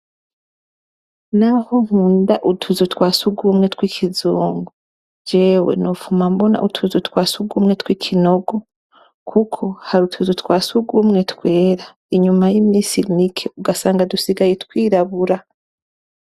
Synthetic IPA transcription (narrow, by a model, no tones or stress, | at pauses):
nahoŋ̥uːndaʔutʰuzutwaːsuɡumŋe̞tkwiːkʰizuːŋɡo | d͡ʒe̞ːwe̞̰nofumambo̞na̰ʔutʰuzutkwaːsuɡumŋe̞twiːkʰino̞ɡo̞ | kʰukʰo̞haɾutʰuzutwaːsuɡumŋe̞tkwe̞ːɾa | iɲumajimisinikʰeuɡasaːŋɡadusiɡajetkwiːɾaβuɾa